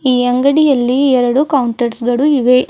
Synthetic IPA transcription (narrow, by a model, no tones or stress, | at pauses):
iːɐŋɡɐɽijɐlːiɛɾɐɽukɐwuɳʈɐɾsɡɐɭuiʋe